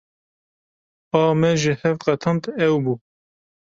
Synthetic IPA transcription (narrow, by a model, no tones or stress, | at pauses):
ɑːmɛʒɪhɛvqɛt̪ʰɑnt̪ɛwbuː